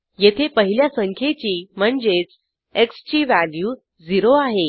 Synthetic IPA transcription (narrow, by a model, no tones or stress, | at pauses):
jet̪ʰepəɦiljasəŋkʰjet͡ɕiːm̤əɳd͡zet͡s | ekst͡ɕiːʋæljuː | d͡ziɾoaɦe